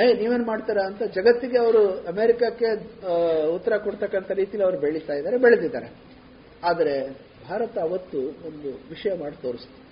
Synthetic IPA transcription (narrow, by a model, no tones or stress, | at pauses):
ɦejniːʋeːnmaːɖt̪aːɾaːnt̪ɐd͡ʒɐɡɐt̪ːiɡe̞ɐʋɐɾuɐmeɾikakːe̞ | ut̪ːɐɾɐkoɽt̪ɐkːɐnt̪ɐɾiːt̪ijɐlɐʋɐɾubeɭit̪aːjid̪aːɾebeɭɐd̪id̪a̰ːɾe | aːd̪ɐɾe̞ | bʱaːɾɐt̪ɐːʋɐt̪ːuond̪uʋiʂɐjɐmaːɽit̪o̞ːɾist̪i